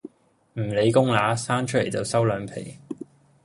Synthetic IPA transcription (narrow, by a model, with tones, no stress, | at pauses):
m̩˨˩le˨˧jkʊ˥ŋlaː˨˥saː˥ŋt͡ʃʰɵ˥le˨˩jt͡sɐ˨wsɐ˥wlœː˨˧ŋpʰḛ˨˩j